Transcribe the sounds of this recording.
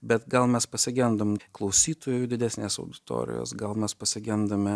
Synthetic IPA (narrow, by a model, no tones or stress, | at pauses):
bʲɛt̪ɡɐlˠmʲɛspɐsʲɪɡʲɛnd̪ɐmklˠɐʊsʲiːt̪oːjʊd̪ʲɪd̪ʲæːsʲnʲeːsɐʊd̪ʲɪt̪o̰ːɾʲɪ̰jo̰ːsɡɐlˠmʲɛspɐsʲɪɡʲɛnd̪ɐmʲɛ